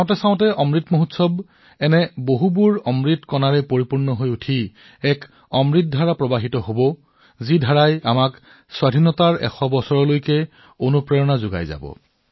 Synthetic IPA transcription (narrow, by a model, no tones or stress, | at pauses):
aw̃tɛsãʊ̃tɛʔɔmɹitmoɦutsɔb | ɛnɛboɦubuɹɔmɹitkɔnaɹɛpoɹipuɹnɔɦojutʰi | ɛk | ɔmɹit̚dʱaɹapɹɔbaɦitɔɦobɔ | zidʱaɹajamak | swadʱinɔtaɹɛ̰xɔbɔsɔɹɔlojkɛ | onupɹɛjɔnazʊɡa̰jza̰bɔ̰